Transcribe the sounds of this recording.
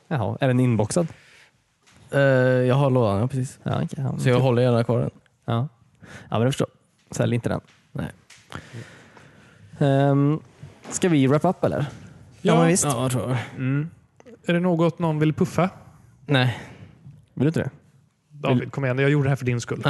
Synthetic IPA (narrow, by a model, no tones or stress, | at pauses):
jaɦɔ̰æɖɛnɪnbɔksad̪ | jɑːɡɦaɾɭoːd̪anapʰɾɛsiːsɑ̰ːsɔjɑːɡɦɔlːəɾjɛnaɾkʰvɑːɾə̰n | ɑː | ɑ̰ːmɛnafœəʂʈo̰ːɾ | sɛ̰ljəɾɪnt̪əd̪ɛ̰n | nɛ̰ɪ | ɛ | skavɪɾɛpːaapːɛlːʔə̰ɾ | mvɪst̪ː | æɖɛnoːɡɔt̪nɔnvɪlpʰɵfa | nɛɪ | ɪlʏnt̪d̪ɛ̰ | kʰɔmːəɛnd̪ɔjɑaɡjuːɖəɖɛhæɾfəɖɪnskɵlː